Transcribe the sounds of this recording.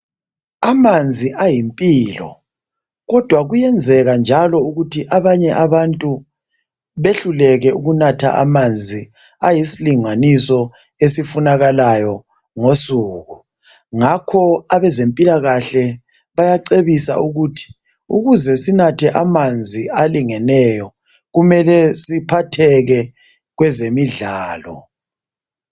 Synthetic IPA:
amand͡zʱiʔajimpʼiːlɔ̰ | ɣɔd̥ʱwaɣujɛnd͡zʱɛɣand͡ʒʱalɔuɣutʰiʔaβaɲɛʔaβantʼu | βeɬulɛɣɛuɣunatʰa̰ʔa̰mand͡zʱi | ajisiliŋanisɔ | esifunaɣalajɔ | ŋosuːɣu | ŋakʰɔaβɛzempʼilaɣaɬɛ | βajaǀeβisa̰ʔuɣutʰi̥ | ṵɣuzɛsinatʰɛʔamand͡zʱialiŋɛnɛjɔ | ɣumɛlɛsipʰatʰɛɣɛ | ɣwɛzemiɮaːlɔ̰

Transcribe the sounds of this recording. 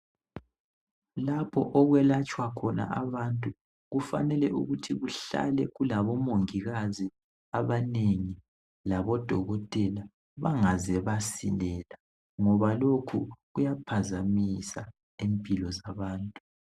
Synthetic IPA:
lapʰɔ̰ʔɔɣwɛlat͡ʃʼwakʰɔna̰ʔaβantʼu | ɣufa̰nɛlɛ̰ʔṵɣutʰiɣuɬa̰lɛɣulaβɔmoŋiɣazi | aβaneŋi | laβɔd̥ʱɔɣɔtʼɛla | βaŋazɛβasilɛla | ŋɔβalokʰuɣujapʰazamisa | empʼilɔzaβaːntʼu̥

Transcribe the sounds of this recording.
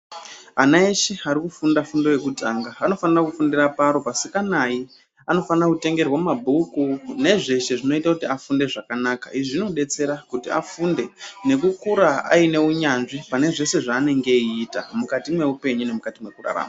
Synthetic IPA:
anaeʃiaɾikufundafundo̞je̞kutaŋɡaano̞fanirakufundirapaɾo̞pasikanai | ano̞fanirakute̞ŋɡe̞rwamumabʱukune̞ʐe̞ʃe̞ʐino̞itakutiafunde̞ʐakanaːka̰iʐino̞ɗe̞t͡se̞ɾakutia̰funde̞ne̞kukuɾaa̰ine̞uɲanʐipane̞ʐe̞se̞ʐaːne̞ŋɡe̞iːta̰mukatimwe̞upe̞ɲune̞mukatimwe̞kura̰ɾa̰ːma

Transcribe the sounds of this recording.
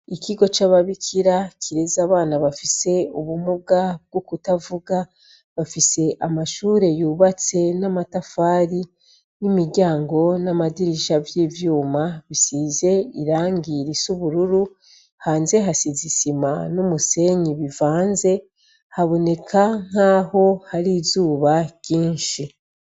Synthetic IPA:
ikiɡo̞t͡ʃaβaβikʰiɾakʰiɾe̞zaβaːnaβafise̞uβumuɡab̚ɡ̥okutavuɡa | βafise̞ʔamaʃuːɾe̞juːβat͡se̞namatafaːɾi | nimiɾɟaːŋɡo̞namadiɾiʃavjiːvjuːmaβisize̞iɾaːŋɡiɾisuβuɾuɾu | haːnze̞ɦasizisima̰numuse̞ɲiβivaːnze̞ | haβo̞ne̞kʰaŋ̥aːho̞haɾiːzuːβaɟ̥iːnʃi

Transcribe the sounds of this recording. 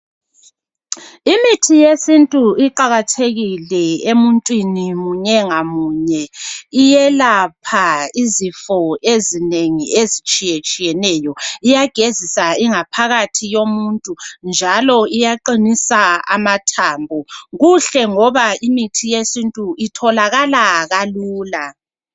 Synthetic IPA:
imitʰijesintʼuiǃaɣatʰeɣilɛemuntʼwinimuɲɛŋamuːɲɛijɛlapʰaizifɔezineŋiezit͡ʃʼijɛt͡ʃʼijɛnɛːjɔijaɡ̥ʱezisaiŋapʰaɣatʰijomuntʼund͡ʒʱalɔijaǃinisaa̰matʰaːmbʱɔɣuɬɛŋɔβaimitʰijesintʼuʔitʰɔlaɣalaɣaluːla

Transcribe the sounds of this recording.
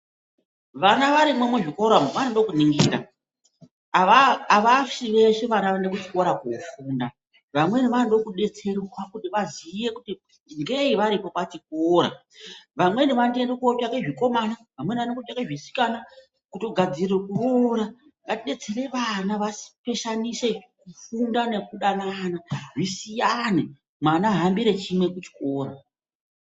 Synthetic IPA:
ʋanaʋaɾimwemwuʐikoɾamoʋanondo̞kuniŋɡiɾa̰ | ʋaʂire̞ʂiʋanaʋandekuti̥koɾakofuːnda | ʋamwe̞niʋanndo̞kuɗe̞t͡se̞rwakutiʋazije̞kuti | ŋɡe̞iʋaɾipo̞patik̚ːɾa̰ | ʋamwe̞niʋandendokopjakeʐiko̞manaʋamwe̞nʋanekopakeʐisi̥kana | kuto̞ɡʱad͡zirekuʋoɾa | ŋatiɗe̞t͡se̞ɾe̞ʋanaʋasi̥pe̞ʃanise̞kufundane̞kuɗanaanaʐisijane | mwanaɦambiɾe̞t͡ʃimwe̞kut͡ʃi̥koːra

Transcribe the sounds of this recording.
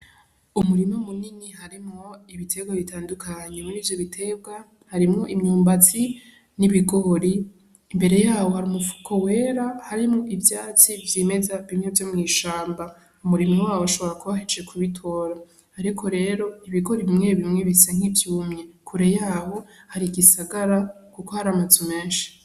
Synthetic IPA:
umuɾimomuninihaɾimŋoiβitʰe̞ɡwaβitaːndukʰaɲe̞muɾiːvjoβitʰe̞bɡa | haɾimŋoʔimɲuːmbat͡si | niβiɡo̞ɾiː | mbe̞ɾe̞jaːwo̞haɾimufu̥kʰowe̞ːɾahaɾimŋoʔivjaːt͡sivjime̞zaβimŋe̞vjomŋiːʃaːmba | umuɾimiwaːwoʃo̞βo̞ɾakuβahet͡ʃe̞kʰuβitʰo̞ːɾa | aɾikʰo̞ɾe̞ːɾo̞iβiɡo̞ɾiβimŋeeβimŋeβisaŋ̥ivjuːmɲe̞kʰuɾejaːho̞haɾiɡisaɡaɾakuko̞haɾamazume̞ːnʃi̥

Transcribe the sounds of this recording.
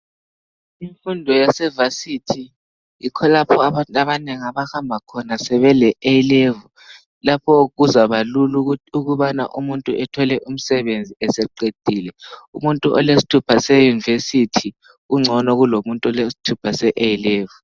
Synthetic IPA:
iɱfundʱɔjasɛvasitʰi | ikʰɔlapʰɔaaβaneŋiaβahambʱakʰɔnasɛβɛlɛʔeilevu | lapʰɔɣuzaβaluluuɣuβana̰ʔumuntʼuʔɛtʰɔlɛʔum̩sɛβend͡zʱiɛsɛǃed̥ʱiːlɛumuntʼuʔɔ̰lesi̥tʰupʰasɛjunivesitʰi | uŋ͡ǀʱɔnɔɣulomuntʼuɔlesi̥tʰupʰasɛʔejileːvu

